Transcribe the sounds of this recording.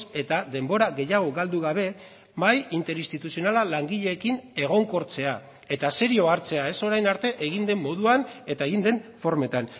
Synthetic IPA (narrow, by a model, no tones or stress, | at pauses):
se̞t̪aðe̞mbo̞ɾaɣe̞jaɣ̞o̞ɣald̪uɣaβ̞e̞ | bajint̪e̞ɾist̪it̪usio̞nalalaŋɡiʎe̞ːkine̞ɣ̞o̞ŋko̞ɾt͡se̞a | e̞t̪ase̞ɾio̞aɾt͡se̞ae̞so̞ɾajnaɾt̪e̞ʔeɣ̞ind̪e̞mmo̞ðuane̞t̪ae̞ɣind̪e̞nfo̞ɾme̞t̪an